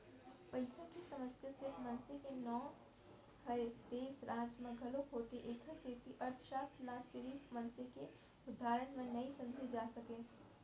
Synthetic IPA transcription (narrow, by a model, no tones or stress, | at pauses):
pɐɪsə̃kisɐməsjasɪfmɐ̃nsekenɔː | hɐed̪̥eːsɾʔaːd͡ʒmãɡʱɐlokɦoːt̪eʔeːkʰəseːt̪iʔɐɾt̪ʰə̥ʃaːslasɪɾiːfmɐ̃nseke | ʊd̪ʱːaːɾəɽ̃mẽnɐĩsɐ̃md͡ʒʱed͡ʒaːsɐkẽː